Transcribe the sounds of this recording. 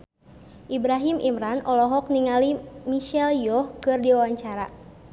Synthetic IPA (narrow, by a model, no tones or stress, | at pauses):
ʔibɾaɦimʔḭmɾanɔlɔɦɔk̚niŋalimiʃɛljɔhkɨrdiwawaɲt͡ʃaɾa